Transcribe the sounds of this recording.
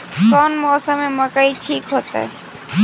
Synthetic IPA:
kɔnmɔːsəmẽməkaiʈʰiːkɦoːt̪a̰ɛ̰

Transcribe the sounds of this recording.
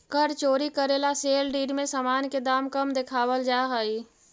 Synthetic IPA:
kəɾt͡ʃoːɾikəɾelaselɖiːɖmẽsaːmaːnked̪aːmkəmd̪ekʰaːʋəld͡ʒaɦəi

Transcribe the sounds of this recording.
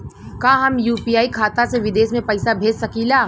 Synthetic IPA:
kãːɦɐmjuːpijaːikʰaːt̪aseʋɪd̪eːsmẽpɐɪsabʱeːd͡ʒsɐkiːlaː

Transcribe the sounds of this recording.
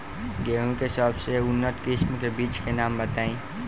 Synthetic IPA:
ɡeːɦũkesɔːbseʊnːət̪kɪsmkebiːt͡ʃkenaːmbət̪aːĩː

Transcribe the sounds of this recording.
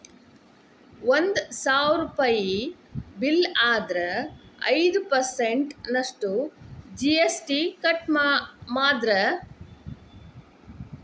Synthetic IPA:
ʋond̪saːʋɾupɐjibilaːd̪ɾɐɐ̰jd̪upɐɾseɳʈnɐʂʈud͡ʒiesʈikɐʈmmaːd̪ɾɐ

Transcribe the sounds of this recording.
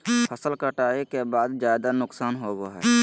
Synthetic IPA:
pʰəsəlkəʈaːekebaːd̪d͡ʒjaːd̪anʊksaːnɦoboɦɛ̰ː

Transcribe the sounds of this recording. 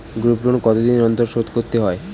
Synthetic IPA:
ɡɾupɾonkɔt̪od̪inɔnt̪oɾʃot̪koɾt̪ːeɦɔe

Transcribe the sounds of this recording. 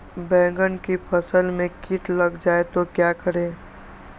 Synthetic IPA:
bɛ̃ːɡənkipʰəsəlmẽkiʈʰləɡd͡ʒaːet̪okjakəɾe

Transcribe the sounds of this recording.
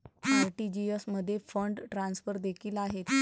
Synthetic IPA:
aɾʈid͡ʑiesməd̪ʱːjefəɳɖʈɾãnsfəɾd̪ekʰiːlaɦet̪

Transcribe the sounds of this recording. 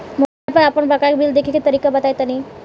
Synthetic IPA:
molapənapəɳbʱakakbild̪ekʰikit̪əɾikabat̪ajt̪ani

